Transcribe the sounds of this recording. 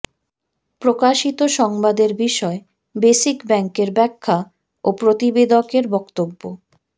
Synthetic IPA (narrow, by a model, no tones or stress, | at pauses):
pɾokaʃit̪oʃɔŋbad̪eɾbiʃɔe | beʃikbɛŋkeɾbɛkʰːa | opɾot̪ibed̪okeɾbɔkt̪obːo